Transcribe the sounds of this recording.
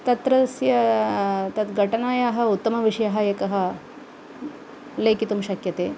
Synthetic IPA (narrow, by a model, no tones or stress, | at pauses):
t̪ɐt̪ɾɐsjɐ | t̪ɐt̪ɡʱɐʈɐnaːjaːɦɐ̆ut̪ːɐmɐʋiʂɐjɐɦɐjekɐɦɐ̆ | leːkit̪umʃɐkjɐt̪eː